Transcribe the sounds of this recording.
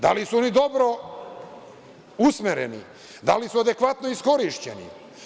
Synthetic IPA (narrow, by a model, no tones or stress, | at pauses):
d̪a̰lisuonid̪o̞bɾo | usmeɾenḭ | d̪a̰lisuad̪e̞kʋat̪noisko̞ɾiʃt͡ɕḛnḭ